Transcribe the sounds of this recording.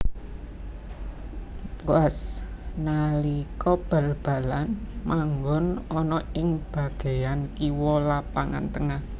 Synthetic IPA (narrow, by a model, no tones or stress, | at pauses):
uasnalikɔb̥a̤lb̥a̤lanmaŋɡɔnɔnɔɪŋb̥ä̤ɡ̥e̤jankiwɔlapaŋa̰nt̪əŋah